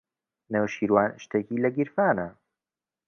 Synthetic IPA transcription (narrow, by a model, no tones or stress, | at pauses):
newʃiːɾwaːnʃt̪ekiːlɐɡɪɾfaːnɐ